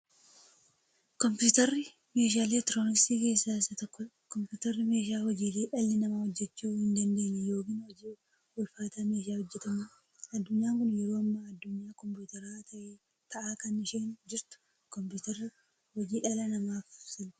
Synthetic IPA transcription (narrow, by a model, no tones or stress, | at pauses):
kɔmpjuːt̪ɐrːɪ | me̞ːʃ̬aːleːt̪ɪɾo̞ːnɪkst̪iːke̞ːsːaːsːɐt̪ɔkːɔ | kɔmpuːt̪ɐrːɪme̞ːʃ̬aːhɔd͡ʒiːleːᶑɐlːɪnɐmaːhɔd͡ʒːɛt͡ʃːuːhɪnd̪ɐnd̪e̞ːnːɛjo̞ːkɪnhɔd͡ʒiː | wɔlfaːt̪aːme̞ːʃɪaːhɔd͡ʒːɛt̪ɐmɐ | ɐd̪ːʊɲːaːŋkʊnjɛɾoːɐmːaɐd̪ːʊɲːaːkɔmpuːt̪ɐɾaːt̪ʰɐʔeː | t̪ʰɐʔaːkɐnːɪʃeːnd͡ʒɪɾt̪ʊ̥ | kɔmpuːt̪ɐɾːɪ | hɔd͡ʒiːᶑɐlɐnɐmaːfsɪn